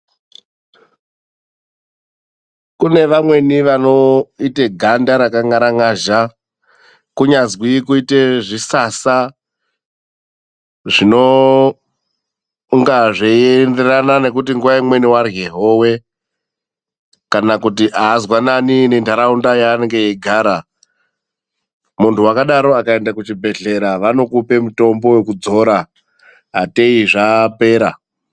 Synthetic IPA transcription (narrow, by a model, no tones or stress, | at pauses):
kune̞ʋamwe̞niʋano̞iteɡʱandaɾakaŋaɾaŋaʒa | kuɲazwikuiteʐisasa | ʐino̞ | ŋɡaʐeende̞ranane̞kut̬iŋɡuʋaimwe̞niwarɣeɦoːwe̞ | kanakutiʔaːzwananine̞ntaɾaundajaːne̞ŋɡe̞jeɡʱaːɾa | muntʰuwakaɗaɾo̞akae̞ndakut͡ʃibʱe̞ɮe̞ɾaʋano̞kupe̞muto̞mbo̞we̞kud͡zo̞ɾa | ɦate̞iʐape̞ːɾa